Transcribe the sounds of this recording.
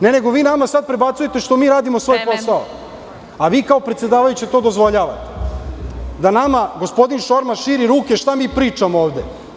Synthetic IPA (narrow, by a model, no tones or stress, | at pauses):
ne̞ne̞ɡo̞ʋiːnamasad̪̚pɾe̞bat̪suje̞t̪e̞ʃt̪o̞miːɾaːd̪imosʋo̞jpo̞sao | aʋiːkaopɾet̪se̞d̪aːʋajut͡ɕet̪o̞d̪ozʋo̞ʎaːʋa̰t̪e̥ | d̪anamaɡo̞spo̞d̪inʃo̞ɾmaʃiːɾiɾuːkeʃt̪amiːpɾiːt͡ʂamooːʋd̪e